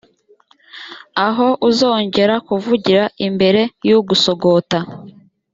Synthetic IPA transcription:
aɦo̞ʔuzoːɲɟe̞ɾakuvuɟiɾaʔimbe̞ɾe̞juɡuso̞ɡo̞ta

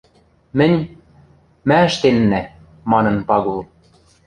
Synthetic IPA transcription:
mɘ̆nʲ | mæɘ̆ʃt̪enːæ | mɑnɤ̆npɑɣulˠ

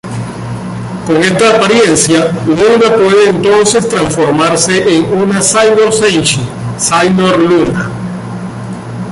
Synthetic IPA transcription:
ko̞ŋe̞st̪aːpaɾje̞nsjalunapwe̞ðe̞ːnt̪o̞nse̞st̪ɾansfo̞ɾmaɾse̞ʔeŋunasajnoɾsent͡ʃisajnoɾluna

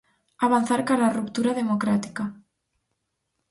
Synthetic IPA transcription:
aβ̞an̟θaɾkalarupt̪uɾaðemokɾat̪i̥ka

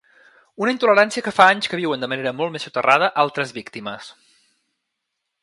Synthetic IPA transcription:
unəint̪uləɾansiəkəfaaɲskəβ̞iwənd̪əməneɾəmɔlˠt̪mesut̪ərʔað̞əʔalˠt̪ɾəzβikt̪iməs

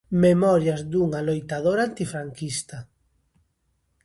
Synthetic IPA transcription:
memɔɾjazd̪uŋalojt̪aðoɾant̪ifɾaŋkist̪a

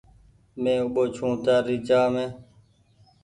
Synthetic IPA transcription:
mẽːʊɓoːt͡ʃʰũːt̪jaːɾiːt͡ʃaːmẽː

